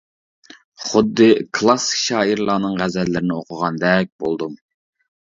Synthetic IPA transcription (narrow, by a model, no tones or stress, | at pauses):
χʊd̪ːɨkʰlˠɑsːʃɑːiɾlˠɑːnɨŋʁæzɛlːɪɾɪnɪoqʰʊʁɑnd̪ɛk̚ʲbolˠd̪um